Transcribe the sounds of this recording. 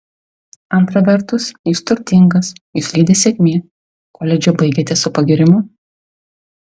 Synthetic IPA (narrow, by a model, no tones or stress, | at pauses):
ɐnt̪ɾɐʋʲɛɾt̪ʊsjuːst̪ʊɾʲt̪ʲɪŋɡɐsjuːslʲiːd̪ʲeːsʲɛkʲmʲiː | koːlʲɛd͡ʒʲobɐɪɡʲeːt̪ʲɛsʊpɐɡʲɪɾʲɪmʊ